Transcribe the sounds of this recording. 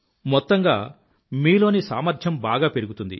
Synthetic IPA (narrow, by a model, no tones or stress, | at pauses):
mɔt̪ːɐŋɡaː | miːlo̞ːnisaːmɐɾd͡ʒjɐmbaːɡaːpe̞ɾuɡut̪und̪ḭ